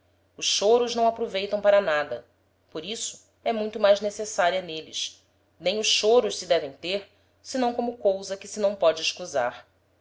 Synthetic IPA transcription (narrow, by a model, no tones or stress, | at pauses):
ʊʃʃoɾʊʒnɐ̃w̃apɾovejt̪ɐ̃w̃paɾɐnad̪ɐ | poɾisʊ̥ | ɛmũj̃t̪ʊmajznesesaɾiɐnelɪ̰ʃ | nẽj̃ʊʃʃoɾʊʃsɪd̪ɛvẽj̃t̪eɾ | sɪnɐ̃w̃kõmʊkowzɐkɪsɪnɐ̃w̃pɔd͡ʒɪːʃkuza̰ɾ